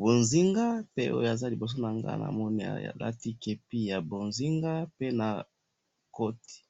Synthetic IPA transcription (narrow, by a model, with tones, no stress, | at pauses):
bo˨nzi˦ŋɡa˦pe˦o̰˦jo˦˨a˨za˦li˨bo˨s̬o˦na˨ŋɡa̰˦˨na̰˨mɔ˦ni˨a̰˨ja̰˨la̰˦ti˦ke˨pi˦ja˨bo˨nzi˦ŋɡa˦pe˦na˨ | ko˦ti̥˨